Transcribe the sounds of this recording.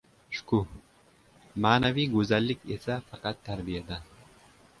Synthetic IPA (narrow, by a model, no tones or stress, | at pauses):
ʃku | maːnaviːɡuzalːikesafɑqɑt̪ʰːaɾbijad̪a